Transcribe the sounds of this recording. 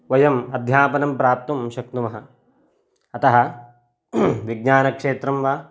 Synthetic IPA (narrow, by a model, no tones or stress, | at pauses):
ʋɐjɐmɐd̪ʱjaːpɐnɐmpɾaːp̚t̪ɐmʃɐkt̪umɐɦɐ̆ | ɐt̪ɐɦɐ̆ | ʋiɡɲaːnɐkʂeːt̪ɾɐmʋaː